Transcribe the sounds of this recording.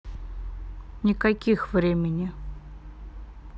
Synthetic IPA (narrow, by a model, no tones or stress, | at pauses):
nʲɪkɐkʲixvɾʲemʲɪnʲɪ